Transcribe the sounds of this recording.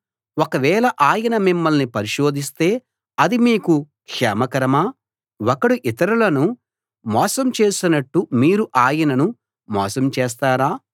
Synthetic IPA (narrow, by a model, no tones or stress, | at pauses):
wɔkɐʋɛːlɐʔaːjɐnɐmimːɐlnipɐɾiʃo̞ːd̪ʱist̪e̞ː | ɐd̪imiːku | kʂɛ̰ːmɐkɐɾɐmaː | wɔkɐɽuʔit̪ɐɾulɐnu | mɔːsɐmt͡ʃe̞ːsinɐʈːumiːɾuʔaːjɐnɐnu | mɔ̰ːsɐmt͡ʃeːs̬t̪aːɾaː